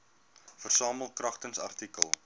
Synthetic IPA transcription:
fərsɑːməlˠkrɐχtənsɐ̰rtikəlˠ

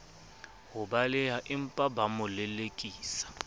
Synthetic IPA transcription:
hʊbalɪɦaʔɪm̩pʼabamʊlɪlekʼiːsḁ

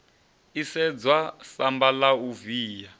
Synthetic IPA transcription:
isɛd͡zwasambalauviːja

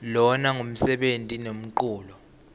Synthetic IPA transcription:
lɔnaŋum̩sɛɓentʼinem̩ǃuːlɔ

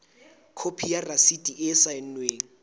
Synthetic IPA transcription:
kʰopʰijarasidʼiʔɪsaɪn̩nweːŋ̩

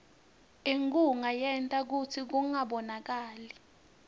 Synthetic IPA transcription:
eŋkʼuŋajɛntʼak̬utʰik̬uŋaɓɔnak̬aːli

